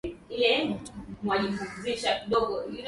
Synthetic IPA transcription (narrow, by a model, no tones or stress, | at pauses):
ilɛmwaʄifuŋziʃakiɗɔɡɔil